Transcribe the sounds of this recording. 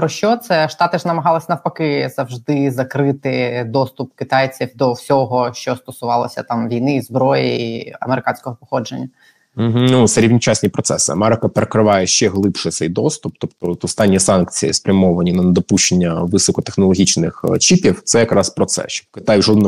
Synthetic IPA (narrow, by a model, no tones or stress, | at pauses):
pɾɔʃt͡ʃɔt̪sɛʃt̪ɑt̪ɪʐnɐmɐɦɑlˠɪsʲɐnɐwpɐkɪz̥ɐwʒd̪ɪzɐkɾɪt̪ɪd̪ɔst̪ʊpkɪt̪ɑjt͡sʲiwd̪ɔwsʲɔɦɔʃt͡ʃɔst̪ɔsʊʋɑlˠɐsʲɐt̪ɑmʋʲijnɪːzbɾɔjiiɐ̰meɾɪkɑnʲsʲkɔɦɔpɔxɔd͡ʒenʲːɐ | m̩ɦ̩nusɐɾʲiʋnʲit͡ʃasʲnʲipɾɔt̪sɛsɪ̰ɐ̰mɛɾɪkɐpeɾekɾɪʋɑjɛʃt͡ʃɛɦlˠɪpʃɪt̪sɛjd̪ɔst̪up̚t̪ɔpt̪ɔt̪ɔst̪ɑnʲːisɑnkt͡sʲijispɾʲɐmɔʋɐnʲinɐnd̪ɔpuʃt͡ʃenʲːɐʋɨsɔkɔt̪exnɔlˠɔɦʲit͡ʃnɪxt͡ʃipʲiwt̪sɛjɐkɾɑspɾɔt̪sɛ̰ʃkɪt̪ɑjʒɔd̪nɔ